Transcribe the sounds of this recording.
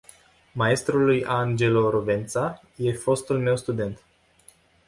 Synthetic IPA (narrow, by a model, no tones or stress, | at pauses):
mae̞st̪ɾulːujaŋd͡ʒe̞loɾove̞nt̪sa | je̞fo̞st̪ulme̞wst̪ud̪e̞nt̪